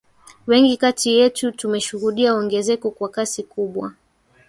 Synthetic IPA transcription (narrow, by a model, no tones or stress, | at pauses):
wɛŋɡikatʰijɛtutumɛʃuhuɗiauɔŋɡɛzɛkɔkwakasikuɓwa̰